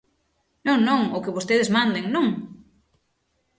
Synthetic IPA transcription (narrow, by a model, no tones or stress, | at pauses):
nõŋnõŋʊkɪβost̪eðezmãnd̪eŋnõŋ